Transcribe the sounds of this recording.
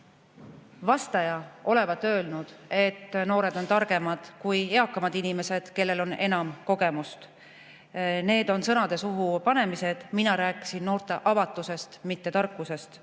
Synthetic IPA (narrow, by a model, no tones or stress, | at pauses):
vɑst̪ɑjɑo̞le̞vɑt̪ːˑø̞ːlnud̪̥e̞t̪ːno̞ːɾe̞d̪o̞nt̪ɑrɡ̥e̞mɑd̪̥kuje̞ɑkːˑɑmɑd̪inime̞se̞d̪̥ke̞lːe̞lo̞ne̞nɑmko̞ɡe̞must̪ | ne̞ːd̪o̞nsɤ̞nɑd̪̥e̞suɦupɑne̞mise̞d̪̥minɑɾæːkːˑi̥sinːo̞ːɾt̪ˑe̞ʔɑvɑt̪ˑːuse̞st̪mit̪ːe̞t̪ɑrkːuse̞st̪